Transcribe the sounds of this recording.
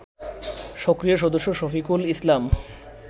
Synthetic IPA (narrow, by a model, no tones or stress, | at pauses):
ʃɔkɾijaʃ̬ɔd̪oʃːoʃɔfikulislam